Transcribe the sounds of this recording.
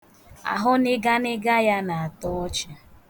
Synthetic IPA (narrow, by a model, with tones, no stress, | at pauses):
a̰˨ɦʊ˦nɪ˦ɡa˦nɪ˦ɡa˦ja˦na˨a˨tɔ˦ɔ˦t͡ʃa˨